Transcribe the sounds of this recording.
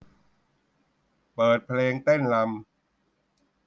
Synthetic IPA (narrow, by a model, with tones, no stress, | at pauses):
pɤː˨˩t̪̚pʰleː˧ŋt̪e˥˩nla˧m